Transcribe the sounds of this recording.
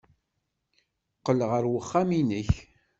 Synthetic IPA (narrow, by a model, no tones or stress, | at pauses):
qːəlʁəɾwəχːaminəç